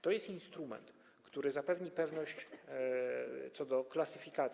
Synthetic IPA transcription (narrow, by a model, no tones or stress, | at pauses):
t̪ɔjɛst̪inst̪ɾumɛ̰nt̪ | kt̪uɾɘzapɛvɲipɛvnɔɕt͡ɕ | t̪sɔd̪ɔklatsɘfʲikat̪sʲ